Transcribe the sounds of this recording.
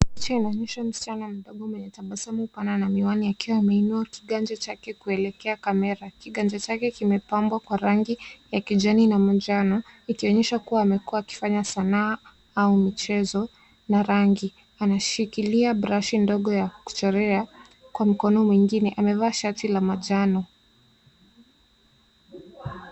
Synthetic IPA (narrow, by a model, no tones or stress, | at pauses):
t͡ʃainaɲɛʃam̩si̥t͡ʃanam̩ɗɔɠɔmwɛɲɛtaɓasamupananamiwaniakiwaːmɛinuaki̥ɠand͡ʒat͡ʃakɛkuɛlɛkɛakamɛɾakiɠand͡ʒat͡ʃakɛkimɛpambwakwaɾaŋɡijakiʄaninamad͡ʒanɔikiɔɲɛʃakuwaːmɛkuaːki̥faɲasanaː | aumit͡ʃɛzɔ | naɾaŋɡi | anaʃikiliabɾaʃindɔɠɔjaku̥t͡ʃɛɾɛa | kwam̩kɔnɔmwiŋɡinɛʔamɛvaːʃatilamaʄanɔ